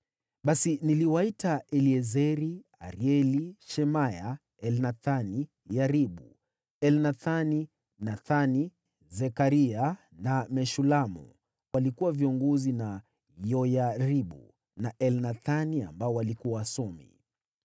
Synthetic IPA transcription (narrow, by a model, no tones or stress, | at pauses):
ɓasiniliwaitaɛliɛzɛɾia̰ɾiɛliʃɛmaja | ɛlnaθani | jaɾiɓṵ | ɛlnaθani | naθani | zɛkaɾia | namɛʃulamṵ | walikuwaviɔŋɡɔzina | jɔjaɾiɓṵ | naʔɛlnaθania̰mbaɔwalikuawasɔmḭ